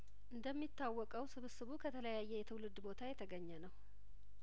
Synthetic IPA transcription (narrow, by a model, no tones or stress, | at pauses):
ʔɨnd̪əmːit̪ʰːawːɔkʼəwsɨβɨsɨβukʰət̪ʰələjajːɛjɛt̪ʰɨwlɨd̪ːbo̞t̪ʰajɛt̪ʰəɡəɲːənəw